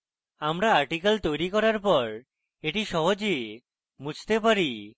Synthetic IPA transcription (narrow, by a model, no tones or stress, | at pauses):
amɾaaɾʈikalt̪ojɾikɔɾaɾpɔɾ | eʈiʃɔɦod͡ʒe | mud͡ʒt̪epaɾi